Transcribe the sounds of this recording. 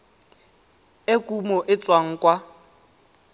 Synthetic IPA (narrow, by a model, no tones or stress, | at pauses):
ekʼumɔʔɪt͡sʼwaŋ̩kʼwa